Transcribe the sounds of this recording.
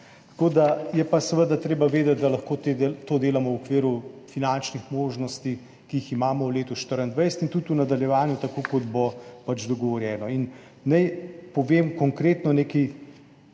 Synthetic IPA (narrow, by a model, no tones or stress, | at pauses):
t̪ḁkoːd̪ajɛpasɛʋəd̪at̪ɾeːbaʋeːd̪ɛt̪̚d̪alɐxkot̪ed̪t̪oːd̪eːlamɔwɔkʋiːɾufinant͡ʃnixmoːʒnɔst̪i | kiiximaːmɔwleːt̪uʃt̪əɾənd̪ʋɛjsɛt̪int̪ut̪unad̪aljɛʋaːnjut̪akoːkɔd̪bɔpat͡ʃd̪ɔɡɔʋɔɾjɛːnɔin | nɛjpɔʋeːmkɔŋkɾeːt̪nɔneːki